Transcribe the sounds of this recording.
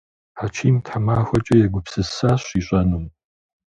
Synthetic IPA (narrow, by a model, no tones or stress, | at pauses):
ħat͡ʃʰiːmtʰħamaːxʷɔt͡ʃʼɐjɛɡʷʊpsɨsaːɕiːɕʼɐnum